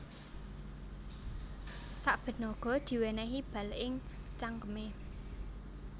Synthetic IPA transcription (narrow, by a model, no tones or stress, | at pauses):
saʔb̥ə̤nɔɡ̥ɔ̤d̪̥i̤wenɛɦib̥ä̤lɪŋt͡ʃaŋkəme